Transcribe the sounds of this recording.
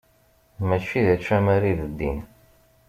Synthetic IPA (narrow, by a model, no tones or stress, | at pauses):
mæt͡ʃːiðæt͡ʃːæmæɾiðəd̪ːḭn